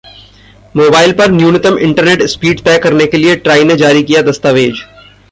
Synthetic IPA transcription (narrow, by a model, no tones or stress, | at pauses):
moːbaːɪlpɐɾnjuːnɪt̪əmɪ̰̃ɳʈəɾneːʈspiːɖt̪ɛːkɐɾnekelieʈɾaːɪned͡ʒaːɾikijad̪ɐst̪aːʋeːd͡ʒ